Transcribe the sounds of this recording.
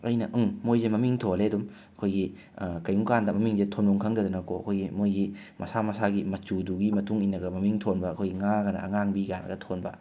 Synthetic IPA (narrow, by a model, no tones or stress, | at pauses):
ɐjnɐʔɯŋmojzemɐmiŋtʰoleɐdum | ɐkʰojɡi | kɐjmukandɐmɐmiŋzetʰonduŋkʰɐŋdɐdunɐkʰoɐ̰kʰojɡimojɡi | mʔɐsamɐsaɡimɐt͡ʃuduɡimɐtʰuŋinːɐɡɐmɐmiŋtʰonbɐɐkʰojɡiŋaɡɐnɐ̰ɐ̰ŋaŋbiɡanɐ̰ɡɐtʰonbɐ̰